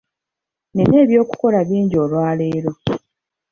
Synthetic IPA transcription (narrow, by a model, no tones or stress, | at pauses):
nene̞ːβjo̞ːku̥ko̞laβiːɲɟo̞ːlwaːle̞ːɾo̞